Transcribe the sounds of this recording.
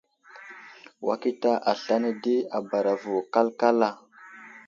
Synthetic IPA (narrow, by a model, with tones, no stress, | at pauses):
wʔa̰˦ki˦ta˦ʔa˨ɬa˦ne˦di˦a˨ba˨ɾa˨vu˨ka˦lka˦la˨